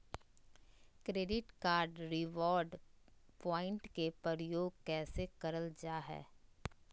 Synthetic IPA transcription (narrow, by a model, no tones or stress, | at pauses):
kɾeːɖɪʈkaːɾɖɾɪʋɔːɾɖpɔːɪ̃ɳʈkepɾəɾəjoːɡ̚kɛːsekɐɾəld͡ʒaːɦɛ̰ː